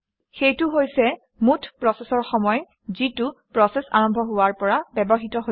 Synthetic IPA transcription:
xejtʊɦojsɛ | mutʰpɹɔsɛsɔɹxɔmɔj | zitupɹɔsɛsa̰ɹɔmbʱɔɦʊaɹpɔɹabɛbɔɦitɔɦo

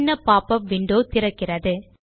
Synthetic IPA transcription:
nːɐpːaːpɐʋɪɳɖoːt̪ɪɾɐkːɪrɐðɯ

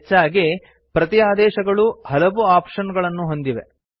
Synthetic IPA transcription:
t͡ʃːaːɡe | pɾɐt̪iaːd̪ɛːʃɐɡɐɭuhɐlɐʋuaːpʂɐnɡɐɭɐnːuɦo̞nd̪iʋḛ

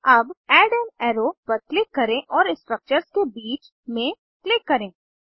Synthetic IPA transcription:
ɐbɛːɖɛ̃nɛːɾopɐɾklɪkːɐɾẽʔɔːɾɪsʈɾək̚t͡ʃəɾskebiːt͡ʃ | mẽ | klɪkːɐɾẽː

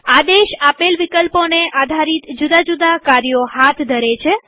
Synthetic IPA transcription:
ad̪eʃapelʋikəlponeʔad̪ʱaɾit̪d͡ʒud̪ad͡ʒud̪akaɾjohat̪ʰd̪ʱəɾet͡ʃʰe

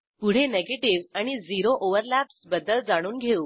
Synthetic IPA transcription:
puɽ̤eneɡeʈiʋaɽ̃id͡ziɾoʔoʋəɾlæpsbəd̪əld͡zaɽ̃uːnɡʱeuː

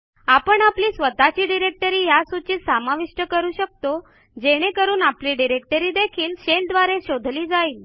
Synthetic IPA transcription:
apəɳapliːsʋət̪at͡ɕiːɖiɾek̚ʈəɾiːjasut͡ɕit̪samaʋiʂʈəkəɾuːɕək̚t̪o | d͡ʑeɽ̃ekəɾuːnapliːɖiɾek̚ʈəɾiːd̪ekʰiːlɕeld̪ʋaɾeɕod̪ʱliːd͡zaiːl

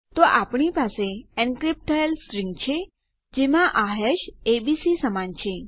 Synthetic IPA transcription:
t̪oʔapɳ̃ipaseɛnkɾip̚ʈʰəelsɾiŋɡt͡ʃʰe | d͡ʒemãʔaɦeʃebisisəmant͡ʃʰe

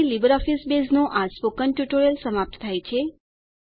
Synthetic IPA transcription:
ilibəɾɔfisbesnõʔaspokəɳʈjuʈoɾəlsəmap̚t̪t̪ʰajt͡ʃʰe

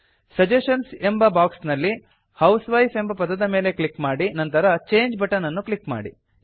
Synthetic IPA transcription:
sɐd͡ʒeʃɐnsembɐbaːksnɐlːi | hɐwsʋɐjpʰe̞mbɐpɐd̪ɐd̪ɐme̞ːle̞klikmaːɽinɐnt̪ɐɾɐt͡ʃeːɲd͡ʒbɐʈɐnɐnːuklikma̰ːɽḭ

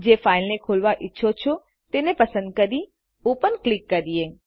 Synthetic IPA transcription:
d͡ʒefailnekʰolʋaʔɪtːʃʰot͡ʃʰo | t̪enepəsə̃nd̪̚kəɾi | ũpənklikːəɾie

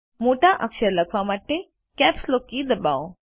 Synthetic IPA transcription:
moːʈaʔəkʃəɾlɐkʰʋamaʈe | kɛːpslokːid̪əba̰ːõ

